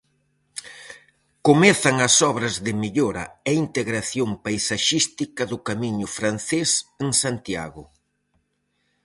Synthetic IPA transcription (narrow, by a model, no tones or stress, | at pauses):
komɛθɐŋɐsɔβɾɐzðɪmeʎoɾɐ̰ɛint̪eɣɾaθjoŋpajsaʃist̪ikɐðʊkamiɲʊfɾan̟θeseŋsant̪ja̰ɣʊ